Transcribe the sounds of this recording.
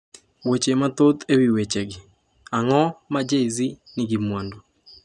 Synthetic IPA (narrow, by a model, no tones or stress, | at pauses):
wet͡ʃemat̪ot̪ewiwet͡ʃɛɡi | aŋɔmad͡ʒeizi | niɡimwando